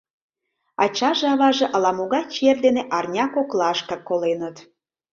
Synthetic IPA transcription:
ɑ̰t͡ɕɑʒĕɑβɑʒĕʔɑlɑmoɣɑt͡ɕerd̪eneʔɑrnʲɑkoklˠɑʃkɑkːolenət̪

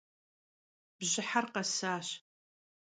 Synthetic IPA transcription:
b̥ʑɪħarqɐsaːɕ

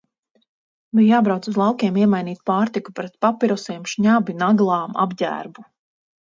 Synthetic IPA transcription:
bijjaːbɾawt̪suzlˠɑwkʲɛmiɛmajniːt̪̚paːɾt̪ikupɾɛt̪papiɾɔsiɛmʃɲabinaɡlˠɑːma̰bɟæ̰ːɾbu

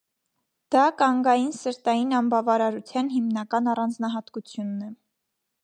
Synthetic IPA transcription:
d̪̥ɑkɑŋɡɑjinsəɾt̪ɑjinɑmbɑvɑɾɑɾut͡sʰjɑnɦimnɑkɑnɑrɑnd͡znɑɦɑt̪kut͡sʰjunːɛ

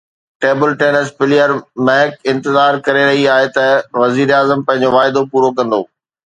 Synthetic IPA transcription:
ʈeːbəlʈeːnəspɪlijəɾmɛɦɪkɪ̃nt̪ɪzaːɾkɐɾeɾɐɦiaːɦet̪ɐʋɐziːɾeaːzəmpɐ̃ɦɪ̃ɲd͡ʑoʋaːɪd̪opuːɾokɐ̃nd̪o̰ː

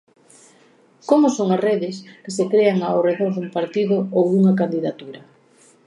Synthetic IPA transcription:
komʊsoŋareðɪskɪsekɾeaŋawreðoɾðumpaɾt̪iðʊowðuŋɐkand̪iðat̪uɾɐ

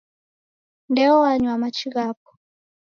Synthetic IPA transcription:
ndɛɔwaɲwamat͡ʃiɣap̚ɔ̥

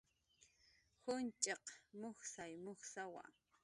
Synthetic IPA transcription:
hʊnt͡ʃʼɑqmoχsajmʊχsawa̰

